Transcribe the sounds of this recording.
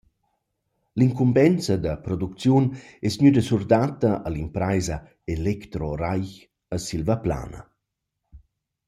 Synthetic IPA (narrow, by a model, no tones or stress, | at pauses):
liŋkumbɛnt͡səd̪əpɾɔd̪uk̚t͡sjunɛsnɲyd̪əsurd̪at̪ɐʔalimpɾajzə | elɛkt̪ɾɔɾajç | əsilvapla̰ːnə̰